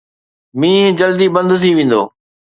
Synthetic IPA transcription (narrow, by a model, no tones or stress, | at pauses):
mĩːɦd͡ʑəld̪iːbə̃nd̪t̪ʰiʋẽːn̆d̪o̰ː